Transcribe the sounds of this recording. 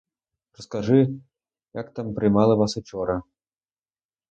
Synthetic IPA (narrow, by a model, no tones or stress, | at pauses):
rəskaʐɨ | jakt̪ampɾʲimɑlˠɤ̆βasot͡ɕoɾa